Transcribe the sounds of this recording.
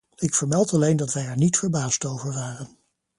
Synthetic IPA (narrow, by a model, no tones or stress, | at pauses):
ɪkfəɹmɛlˠtɑlejndɑtʋɛjɛɹnitfəɹbaːstowvəɹʋaːrən